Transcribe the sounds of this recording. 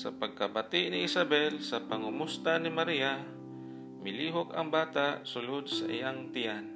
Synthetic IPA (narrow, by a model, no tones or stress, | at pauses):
sɐpɐɡ̚kɐbat̪ɪʔnɪʔɪsabɛlsɐpɐŋʊmʊst̪anɪmɐɾiːa | mɪliːɦokɐŋbaːt̪aʔsʊlod̪̚sɐ̰ʔɪ̰jaŋt̪ɪjan